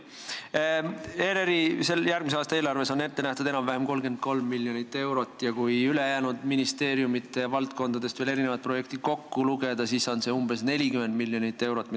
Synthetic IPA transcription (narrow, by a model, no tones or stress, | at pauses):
eɾeɾise̞ljæɾɡ̥miseɑːst̪ɑe̞ːlɑrve̞so̞ne̞t̪ːe̞næht̪ud̪enɑmvæhemko̞lɡe̞nd̪̥̚ko̞lmːiljonit̪ːˑe̞wɾo̞t̪ːˑjɑkujylejæːnud̪̥minist̪e̞ːɾjumit̪ːˑe̞vɑlt̪̚ko̞nd̪̥ɑd̪e̞st̪vele̞ɾine̞vɑt̪̚pro̞je̞k̚t̪id̪̥ko̞kːuluɡ̥e̞d̪̥ɑsiso̞nse̞umbe̞sne̞lʲikymend̪̚milːjo̞nit̪ːˑe̞wɾo̞t̪ːˑm